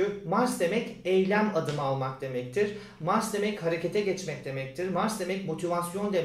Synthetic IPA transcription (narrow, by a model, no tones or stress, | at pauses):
ymaɾsd̪e̞mɛcɛjlʲænad̪ɯmalˠmakd̪̥e̞mɛc̚t̪ʰiɾ̥ | maɾsd̪e̞mɛchaɾe̞cʰe̞t̪ʰɛɟɛt͡ʃmɛc̚d̪e̞mɛc̚t̪ʰiɾmaɾsd̪e̞mɛcmo̞t̪ʰivasjo̞nd̪e